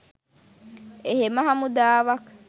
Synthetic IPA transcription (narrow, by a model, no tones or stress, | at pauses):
eɦemɐɦamud̪aːʋɐk